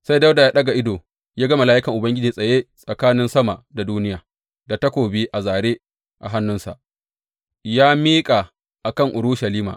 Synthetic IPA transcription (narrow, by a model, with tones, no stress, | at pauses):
sa˦jdɐ˦wda˨jaː˦ɗɐ˦ɡa˨ʔɪ˦doː˨ | jaː˦ɡɐ˦ma˨laː˦ʔɪ˦kɐ˨ŋʔʊ˨bɐ˦ŋɡʲɪ˦d͡ʒiː˨sʼɐ˨jeː˦sʼɐ˨kaː˦nɪ˦nsɐ˦ma˨da˨duː˦nɪ˦jaː˨ | da˨tɐ˦kʷoː˨biː˦ʔa˨zaː˨ɽeː˦ | ʔa̰˨ɦa˦nːʊ˦nsa̰˨ʔ | jaː˦miː˦kʼa˨ | ʔa˨kɐ˦˨ŋʔʊ˨ɾʊ˦ʃa˨liː˦ma̰ː˨ʔ